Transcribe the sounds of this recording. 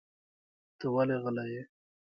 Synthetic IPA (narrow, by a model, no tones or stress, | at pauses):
t̪əwaleɣəlaje